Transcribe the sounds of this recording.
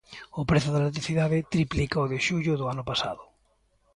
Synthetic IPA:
ʊpɾeθʊðalet̪̬ɾiθiðaðɪt̪ɾiplikaoðeʃuʎʊðʊanʊpasa̰ðʊ

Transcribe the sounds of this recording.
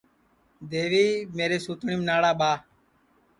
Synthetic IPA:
d̪eːʋiːmeːɾeːsuːt̪ɳiːmnaːɽaːɓaː

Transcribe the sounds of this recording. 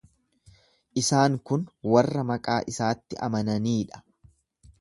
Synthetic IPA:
ʔɪsaːŋkʊnwɐrːɐmɐkʼaːʔɪsaːt̪ːɪʔɐ̰mɐnɐniːᶑɐ̥

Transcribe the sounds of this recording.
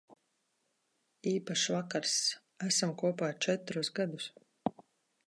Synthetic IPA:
iːpaʃvakaɾs | æsamkuɔpaːt͡ʃɛt̪ɾusɡad̪us

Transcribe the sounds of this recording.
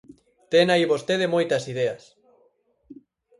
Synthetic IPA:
t̪eŋaiβost̪eðemojt̪ɐsiðeas

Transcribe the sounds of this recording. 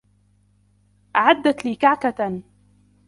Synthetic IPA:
ʔaʕad̪ːat̪liːkaʕkat̪a

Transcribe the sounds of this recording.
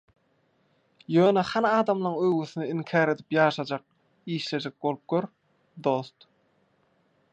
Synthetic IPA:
jøːneχɑnɑːd̪ɑmlˠɑŋøɣyθyniiŋkʰɑːɾe̞d̪ipjɑːʃɑd͡ʒɑq̚ | iːʃle̞d͡ʒek̚bo̞lˠup̚ɡ̥ʲøɾ | d̪o̞st̪

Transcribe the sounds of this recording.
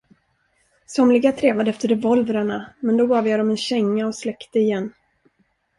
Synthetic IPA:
sɔmlɪɡat̪ʰɾeːvad̪əɛft̪əɾɛvɔlvɾaɳamɛnd̪ɔbɑːvjɑːd̪ɔmɛnɕɛŋːaɔslɛkt̪əɪjɛnː

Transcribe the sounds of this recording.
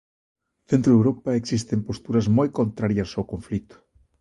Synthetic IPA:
θent̪ɾʊðewɾopaeksist̪empost̪uɾɐzmojkont̪ɾaɾjɐsawkõɱflit̪ʊ̥

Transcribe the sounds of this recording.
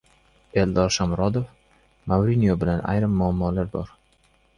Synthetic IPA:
e̞ld̪ɒɾʃamɾɒd̪of | mawɾinijobɪlana̰jɾɪmːʊamːɒlaɾbɒ̰ɾ

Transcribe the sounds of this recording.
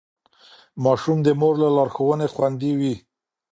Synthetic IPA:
mɑʃumd̪əmoɾlalɑɾxowənexwand̪iwi

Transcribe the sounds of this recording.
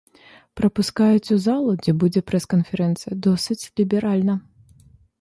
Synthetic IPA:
pɾɐpuskajut͡sʲuzalˠud͡zʲɛbud͡zʲɛpɾɛskɐnfʲɛɾɛnt̪sɨjɐd̪ɔsɨt͡sʲlʲibʲɛɾalʲnɐ

